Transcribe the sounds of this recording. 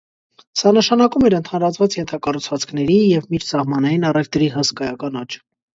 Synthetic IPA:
sɑnəʃɑnɑkumɛɾənt̪ʰɑnɾɑt͡sʰvɑt͡sjɛnt̪ʰɑkɑrut͡sʰvɑt͡sʰkʰnɛɾijɛvmiɾsɑhmɑnɑjinɑrɛvt̪ɾiɦəskɑjɑkɑnɑt͡ʃʰ

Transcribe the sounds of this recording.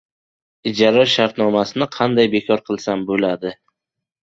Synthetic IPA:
ɪd͡ʒaɾaʃaɾt̪nɒmasɪnɪqʰɑnd̪ajbe̞kʰɒɾqʰɨlˠsambolad̪ɪ

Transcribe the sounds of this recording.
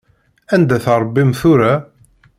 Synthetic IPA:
ænd̪æθəɾˤbːimθʊɾa

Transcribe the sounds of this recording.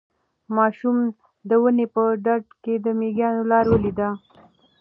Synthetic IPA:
mɑʃum | d̪əwənepəɖaɖ̚ked̪əmeɡjɑnolɑɾwəlid̪a

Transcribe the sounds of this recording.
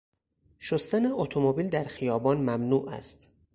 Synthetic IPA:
ʃost̪æneot̪ʰomobiːld̪æɾxijɒːbɒːnmæmnuːʔæ̰st̪

